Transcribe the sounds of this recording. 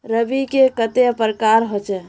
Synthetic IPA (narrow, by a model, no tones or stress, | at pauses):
ɾəbikekət̪epɾəkaɾɦot͡ʃɛ